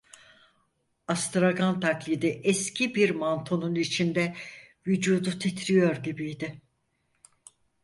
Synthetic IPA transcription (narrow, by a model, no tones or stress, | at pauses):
ast̪ɾaɡant̪ʰaklʲid̪iʔɛscʰibiɾmant̪ʰo̞nunit͡ʃʰind̪ɛ | vyd͡ʒuːd̪ut̪ʰit̪ʰɾijo̞ɾɟibijd̪ɪ